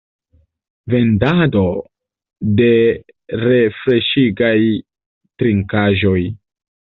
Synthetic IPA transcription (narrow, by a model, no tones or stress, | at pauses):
ve̞ndado̞ | de̞ | ɾe̞fɾe̞ʃiɡaj | tɾiŋkaʒo̞j